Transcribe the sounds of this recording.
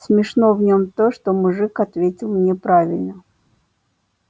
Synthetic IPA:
sʲmʲɪʂnovnʲomt̪oʂt̪omʊʐɨkɐt̪vʲetʲɪlˠmnʲepɾavʲɪlʲnə

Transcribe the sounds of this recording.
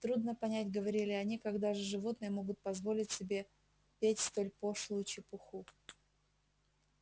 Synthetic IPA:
t̪ɾud̪nəpɐnʲætʲɡəvɐɾʲilʲɪɐnʲikaɡd̪aʐɨʐɨvo̞t̪nɨjəmo̞ɡʊt̪̚pɐzvo̞lʲɪtʲsʲɪbʲe̞ | pʲetʲst̪o̞lʲpo̞ʂlˠʊjʊt͡ɕɪpʊxu

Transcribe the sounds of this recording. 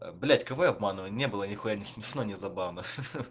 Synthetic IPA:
blʲætʲkɐvɨɐbmanɨvənʲnʲebɨlˠənʲɪxojanʲɪsmʲɪʂnonʲɪzɐbavnə

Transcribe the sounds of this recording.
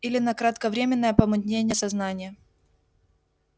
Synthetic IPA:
ilʲɪnɐkɾət̪kəvɾʲemʲɪnːəjəpəmʊd̪ʲnʲenʲɪjəsɐznanʲɪjə

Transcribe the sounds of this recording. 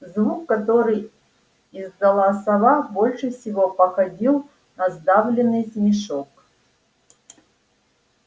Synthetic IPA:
zvukːɐt̪oɾɨj | izd̪ɐlˠasɐvabolʲʂɨfsʲɪvopɐxɐdʲilˠ | nɐzd̪avlʲɪnːɨjsmʲiʂok

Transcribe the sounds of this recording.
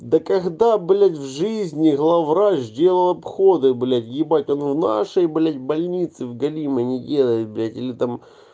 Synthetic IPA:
d̪ɐkɐɣd̪ablʲatʲvʐɨzʲnʲɪɣlˠavɾazʲdʲe̞lˠəlˠɐpxo̞d̪ɨblʲatʲjʲɪbatʲonvna̰ʂəjblʲatʲbɐlʲnʲit̪sɨvɡɐlʲimɨnʲɪdʲelˠəjɪt̪̚blʲatʲilʲɪt̪am

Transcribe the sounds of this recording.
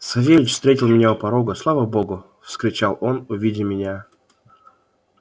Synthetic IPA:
sɐvʲevʲɪt͡ɕfst̪ɾʲetʲɪlˠmʲɪnʲaʊpɐɾoɡʊslˠavəbo̞ɡʊ | fskɾʲɪt͡ɕalˠʔonʊvʲidʲɪmʲɪnʲa

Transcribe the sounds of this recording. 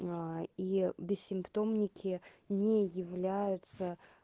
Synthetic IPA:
ibʲɪsʲsʲɪmpt̪o̞mnʲɪkʲɪnʲejɪvlʲæjʊt̪sə

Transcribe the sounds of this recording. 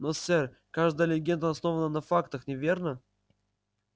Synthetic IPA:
nosʲɛr | kaʐd̪əjəlʲɪɡʲend̪əɐsno̞vənənɐfakt̪əxnʲɪvʲernə

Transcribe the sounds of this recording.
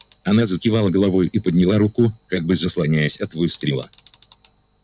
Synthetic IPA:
ɐnazətʲɪvalˠəɡəlˠɐvojipəd̪ʲnʲɪlˠaɾukʊkaɡ̚bɨzəslˠɐnʲæjɪsʲɐt̪vɨst̪ɾʲɪlˠə̰

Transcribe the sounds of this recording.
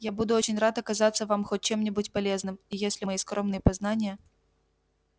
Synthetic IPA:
jabud̪ʊot͡ɕɪnʲrat̪ɐkɐzat̪sːəvamxot̚ʲt͡ɕe̞mnʲɪbutʲpɐlʲeznɨmijesʲlʲɪmɐjiskɾomnɨjəpaznanʲɪjə

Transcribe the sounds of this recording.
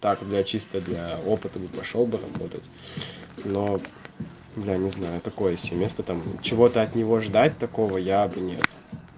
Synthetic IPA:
t̪akd̪lʲat͡ɕist̪əd̪lʲao̞pɨt̪əbɨpɐʂo̞lˠbɨɾɐbo̞t̪ətʲ | no̞ | d̪lʲanʲɪznajʊt̪ɐko̞jəsʲemʲe̞st̪ət̪amt͡ɕɪvo̞t̪əɐt̪nʲɪvo̞ʐd̪at̚ʲt̪ɐko̞vəjabɨnʲe̞̰t̪

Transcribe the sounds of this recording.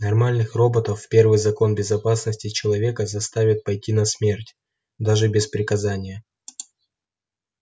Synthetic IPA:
nɐrmalʲnɨxro̞bət̪əfpʲe̞rvɨjzɐko̞nbʲɪzɐpasnəsʲtʲɪt͡ɕɪlˠɐvʲe̞kəzɐst̪avʲɪt̪̚pɐjtʲinɐsmʲe̞rtʲ | d̪aʐɨbʲɪspɾʲɪkɐzanʲɪjə

